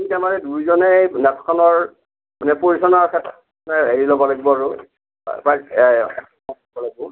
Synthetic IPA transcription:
mitamaɹɛdujzɔnɛnɛtʰkʰɔnɔɹ | manɛpoɹisɔnaɹkʰɛtʰat | nɛeɹilɔbɔlaɡibɔaɹʊ̰ | pa | ɔɔbɔlaɡibɔ

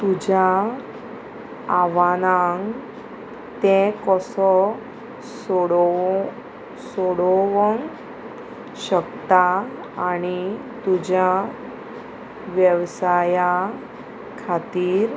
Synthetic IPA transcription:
t̪ud͡ʑa | aʋanaŋɡ | t̪ẽkɔsɔ | sɔɽɔ | sɔɽɔʋɔŋ | ɕəkt̪aː | ni | t̪ud͡ʑa | ʋjəʋsaja | kʰat̪iːɾ

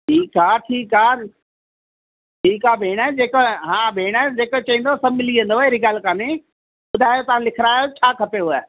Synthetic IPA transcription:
ʈʰiːkaːʈʰiːkaː | ʈʰiːkaːbʱeːɽ̃əd͡ʑeːkɦãːbʱeːɽ̃əd͡ʑeːkt͡ɕɐĩːnd̪osɐbmɪliə̃nd̪oeɾɪɡaːlkaːne | ɓʊd̪ʱaːjot̪ɐʋãlɪkʰɪɾaːjot͡ɕʰaːkʰɐpeuaː

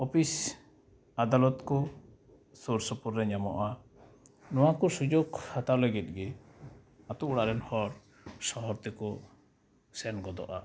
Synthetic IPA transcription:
ɔpʰis | ad̪alɔt̪kɔ | suɾsɔpuɾːɛɲamɔ̰ʔa | nɔwakɔsud͡ʒoɡhat̪aleɡɛt̪̚ˀɡɛ | at̪uuɽaʔɾɛnhɔɾ | sɔɦɔɾt̪ɛkɔ | sɛnɡɔd̪ɔ̰ʔa̰

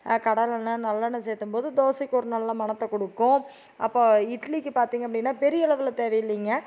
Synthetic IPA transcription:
kɐɽɐlɐnːɐnɐlːanːɐsɛːt̪ːɯmpoːðɯd̪oːsɪkːɔɾɯnɐlːãːmɐnɐt̪ːɐkɔɽɯkːʊ̃ | ɐ̰pːoːɪʈɐlikːɯpaːɾt̪iːŋɡɐpːɐɽɪnːaːpɛɾɪjɐɪɭɐʋɪlɐt̪eːʋɐjɪlːiːŋɡɐ

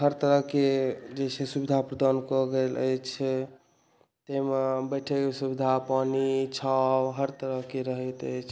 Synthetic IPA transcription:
ɦəɾt̪əɾəɦked͡ʒesʰesubid̪ʱapɾəd̪ankɔɡelə̰jt͡ʃʰ | t̪emebəʈʰekesubid̪ʱapanit͡ʃʰabɦəɾt̪əɾəɦkeɾəɦət̪ə̰jt͡ʃʰ

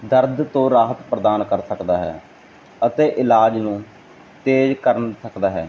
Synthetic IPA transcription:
d̪əɾd̪t̪õːɾaːɦət̪pɾəd̪aːnkəɾsəkd̪aːɦɛ̰ː | ət̪eːʔɪlaːd͡ʒnũː | t̪eːd͡ʒkəɾənsəkd̪aːɦɛ̰ː

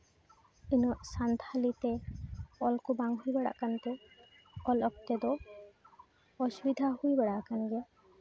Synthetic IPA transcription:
inɔʔsant̪ʰalit̪e | ɔlkubaŋɦujbɛɽa̰ʔkant̪e | ɔlɔk̚t̪ed̪ɔ | ɔsubid̪ʱaɦujbɛɽaʔkaniɡe

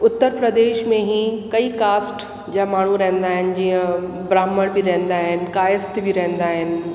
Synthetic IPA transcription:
ʊt̪ːəɾpɾəd̪eːʃmẽɦĩkɐikaːsʈ | d͡ʑaːmaːɳ̤ũɾɐɦɪ̃nd̪aːɦɪnɪ̆d͡ʑiːə̃ | bɾaːməɽ̃biɾɐ̃ɦɪ̃nd̪aːɦɪnɪ̆kaːjəst̪bʱiɾɐ̃ɦɪ̃nd̪aːɦɪnɪ̆

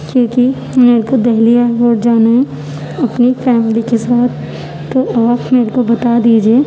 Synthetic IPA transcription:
kõːki | meːɾkod̪ɛɦliaːɾpoːʈ̚d͡ʒaːnaɦɛ̃ | ɐpnifɛːmlikesaːt̪ʰː | oʔaːpmeːɾekobɐt̪ad̪iːd͡ʒieː

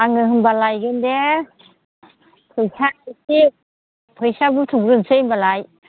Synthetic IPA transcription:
aŋɯɦɯmbalajɡɯnde | pʰɯjsaisi | pʰɯjsabutʰuŋɾɯnsɯjmbalaj

